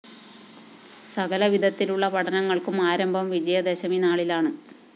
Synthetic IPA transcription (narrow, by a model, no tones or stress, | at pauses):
sɐɣɐlɐʋid̪ʱɐt̪ːiluɭːɐpɐʈʰɐnɐŋːɐɭkumaːɾɐmbʱɐmʋid͡ʑɐjɐd̪eɕɐminaːɭilaːɳɨ